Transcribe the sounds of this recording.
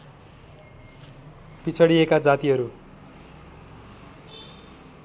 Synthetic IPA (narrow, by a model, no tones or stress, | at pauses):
pit͡sʰʌɽiekad͡zat̪iɦʌɾu